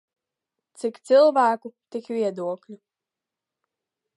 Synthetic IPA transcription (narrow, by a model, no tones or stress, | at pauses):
t̪sikt̪sɨlˠvæːkut̪ikvʲiɛd̪uɔklʲu